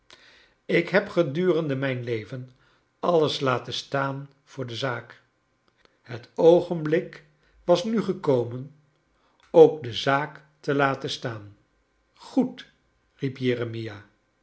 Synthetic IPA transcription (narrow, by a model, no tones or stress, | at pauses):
ɪkɦɛpχədyːrəndəmɛjnlejvən | ɑləslaːtəstaːn | v̥ʊːɹdəzaːk | hətowχənblɪk | ʋɑsnyχəkowmən | owk̚dəzaːk | təlaːtənstaːn | χut | ripjeːrəmija